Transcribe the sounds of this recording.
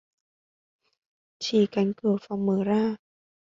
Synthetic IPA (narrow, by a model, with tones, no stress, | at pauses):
t͡ɕʰiː˨˩ka˨˦nkɯ˨˩əfa˧˦wŋmɤː˨˦ɾaː˥˩